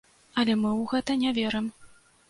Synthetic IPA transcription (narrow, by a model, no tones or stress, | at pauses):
ɐlʲɛmɨwɣɛt̪ɐnʲavʲɛɾɨm